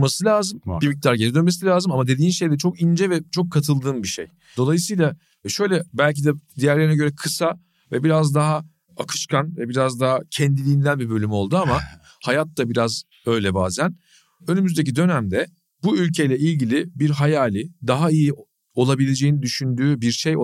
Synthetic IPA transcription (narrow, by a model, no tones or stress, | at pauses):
masɯlʲaːzɯmbimic̚t̪aɾɟeɾid̪ønme̞silʲaːzɯmamad̪ed̪iːnʃe̞jd̪ɛt͡ʃʰo̞kind͡ʒɛvɛt͡ʃʰo̞kʰːat̪ʰɯlˠd̪ɯːmbiʃḛj | d̪o̞lˠajɯsɯjlˠa | ʃø̞jlʲɛbælʲc̬id̪ɛd̪ijæɾlʲeɾinɛɟø̞ɾɛkʰɯsa | vɛbiɾazd̪aɦa | akʰɯ̥ʃkʰanvɛbiɾazd̪aɦacʰɛnd̪ilʲiːnd̪ænbibø̞lʲymo̞lˠd̪uama | hajat̪̚ːabiɾaz | ø̞jlʲɛbaːzæn | ønymyzd̪ec̬id̪ø̞næmd̪ɛ | buylʲcʰe̞jlʲɛilʲɟilʲiɪbiɾɦajaːlʲid̪aɦaiji | o̞lˠabilʲe̞d͡ʒejinid̪yʃynd̪yːbiɾʃej